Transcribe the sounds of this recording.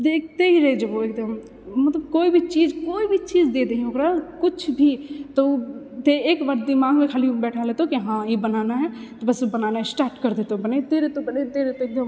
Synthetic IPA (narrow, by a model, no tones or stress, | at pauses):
d̪eːk̚ʰt̪eɦiɾed͡ʒɐoeːk̚d̪əm | mɐt̪ləb̚koːibʱit͡ʃiːd͡ʒkoːibʱit͡ʃiːd͡ʒd̪eːd̪eɦiokɾakʊt͡ʃʰbʱit̪ot̪eeːkbaɾd̪ɪmaːɡmẽkʰaːlibɛːʈʰaleːt̪eɦokiɦãibənaːnaɦɛt̪obɐsbɐnaːnaɦɛsʈaːɾʈkəɾd̪eːt̪obɐnet̪eɾet̪obɐnet̪eɾet̪oeːk̚d̪əm